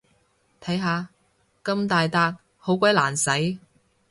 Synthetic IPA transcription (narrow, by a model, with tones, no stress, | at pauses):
t̪ʰɐ˨˥jɦaː˨˧ | kɐ˧mt̪aː˨jt̪aː˧t̚ | ho˨˥wkʷɐ˧˥jlaː˨˩nsɐ˨˥j